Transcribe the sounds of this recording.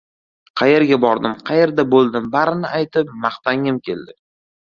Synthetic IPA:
qʰɑje̞ɾɡʲabɒɾd̪ɪmqʰɑje̞ɾd̪abolˠd̪ɪmbaɾɪnɪʔajt̪ɪp̚mɑχt̪aŋɪmkʲe̞̰ld̪ɪ

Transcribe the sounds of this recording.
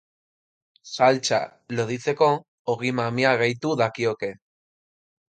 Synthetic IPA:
salt͡ʃa̰ | loðit͡se̞ko̞ | oɣimamiaɣejt̪uðakioke̞

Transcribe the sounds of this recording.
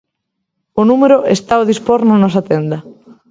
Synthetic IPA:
ʊnumeɾʊʔest̪aoðispɔɾnonɔs̬ɐat̪end̪ɐ

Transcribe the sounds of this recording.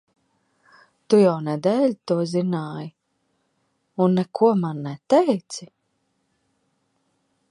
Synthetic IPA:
t̪ujawnɛd̪ɛːlʲt̪uɔzinaːj | unːɛkʰuɔmanːɛt̪ɛjt̪si

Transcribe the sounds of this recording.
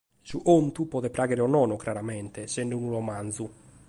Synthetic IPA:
suʔomt̪upɔːðɛpɾʔaːɣɛɾɛɔnɔːnɔkɾaɾamɛnt̪ɛsɛnːɖunuɾɔmanzu

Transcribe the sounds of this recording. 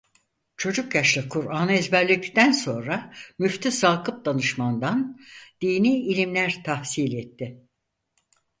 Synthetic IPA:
t͡ʃʰo̞d͡ʒukjaʃlˠɯkʰuɾaːnɛzbæɾlʲict̪ænso̞nɾamyft̪ʰisaːkʰɯp̚d̪anɯʃmand̪and̪̥iːniːilʲimlʲæɾt̪ʰahsiːlʲɛt̪ʰːɪ

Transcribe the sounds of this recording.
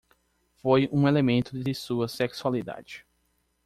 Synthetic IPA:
fojũelemẽnt̪ʊd̪ɪsuɐseksualid̪a̰d͡ʒɪ

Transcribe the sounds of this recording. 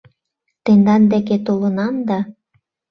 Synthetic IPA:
t̪end̪ɑnd̪eket̪olə̆nɑmd̪ɑ

